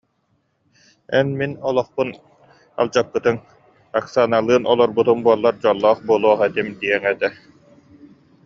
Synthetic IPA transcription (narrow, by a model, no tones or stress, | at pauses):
ɛnminɔlˠɔχpun | a̰lˠd͡ʑakːɯt̪ɯŋ | aksanalˠɯːnʔɔlˠɔɾbut̪umbuɔlˠːaɾd͡ʑɔlˠːɔːχbuɔlˠuɔχɛt̪imd̪iɛŋɛt̪ɛ